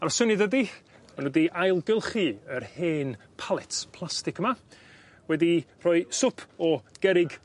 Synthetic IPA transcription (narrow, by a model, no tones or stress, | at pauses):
aɾɔsənɨdədi | anudiʔajlˠɡɪlˠχɨərheːn | pʰalˠɛtpʰlˠastɪkəma | wɛdir̥ɔɨsʊpʰɔɡ̥ɛɾɪɡ